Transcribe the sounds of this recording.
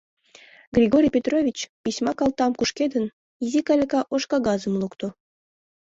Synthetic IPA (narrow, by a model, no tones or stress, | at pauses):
ɡrʲiɡoɾʲijpʲet̪rovʲit͡ɕpisʲmɑkɑlˠt̪ɑmkuʃkʲed̪ən | jizʲikɑlʲekɑʔoʃkɑɣɑzə̆mlˠukt̪o